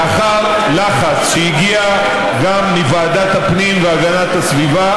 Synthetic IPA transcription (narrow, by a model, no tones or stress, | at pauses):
aχaʁ | laχat͡sʃejiɡia | ɡamlivaːd̪at̪hapnimveaɡanat̪hasviva